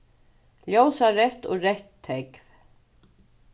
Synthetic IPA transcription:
ljowsaɾɛht̪ɔɣɾɛht̪ʰːekv

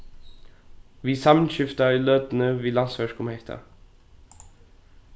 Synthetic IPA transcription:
ʋiːsɑmənɕɪft̪ailøːd̪ənəviːlansʋæʂkʊmhɛht̪ʰa̰

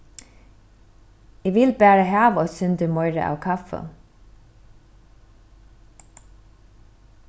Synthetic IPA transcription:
iːʋɪlbæːɾəhɑːʋoːsʏnd̪əmɔʏɾə̰ʔɑ̰ːʋkʰɑfə̰

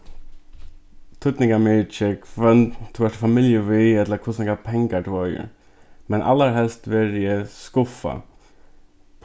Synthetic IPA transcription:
t̪ʰʊt̪nɪŋkamɛːt͡ʃəkʰʋɛnt̪t̪ʰːʊɛʂʈfamɪljəʋiɛt̪lakʰʊsnɛkapʰɛŋkat̪ʊœjə̰ | mɛnʔa̰lːaɾɦɛlst̪ʋɛɾjəskʊfa̰

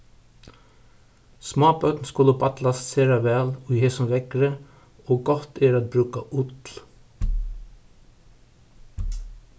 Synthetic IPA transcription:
smɑːbœt̪nskʊlːəbat̪last̪seːɾaʋɛːlʊjheːsʊmʋɛkɾə | oːɡɔht̪ɛɾat̪̚bɾʉːkaʔʊt̪l

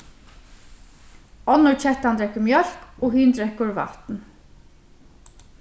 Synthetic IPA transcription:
ɔnʊɹt͡ɕʰɛht̪and̪ɾɛhkːʏmjœɾ̥kɔɦiːnd̪ɾɛkːʊɹva̰ht̪n

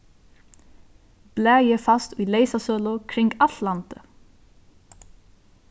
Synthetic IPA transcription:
b̥lɛːjɛfast̪ujlejsasœːlʊkʰɾɪŋɡalt̪lant̪ə

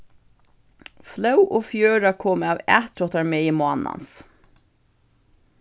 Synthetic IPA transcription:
flœwʔoːfjøːɾakʰoːmawæ̰ːt̪ɾɔht̪aɹmeːimaːna̰ns

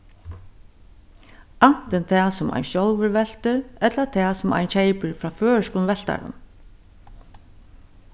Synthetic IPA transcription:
an̥t̪ɪnt̪ʰɛasʊmʔa̰jnʃɔlʋɪɹʋɛl̥t̪ɪɾɛt̪lat̪ʰɛːsʊma̰jnt͡ɕʰejpɪɹfɾaːføːɹʂkʊnʋɛl̥t̪a̰ɾʊ̰n

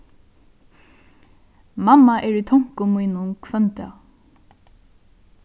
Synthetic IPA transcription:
mamːaʔɛɹit̪ʰɔŋ̥kʊmujnʊnkʰvœnt̪a̰

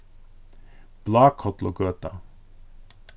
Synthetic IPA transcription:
b̥lɑːkʰɔt̪lo̰ːɡøːt̪ɑ

